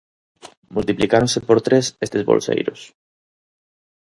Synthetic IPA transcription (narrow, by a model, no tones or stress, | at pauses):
mult̪iplikaɾoŋsepoɾt̪ɾesest̪ezβo̰lsḛjɾʊ̰s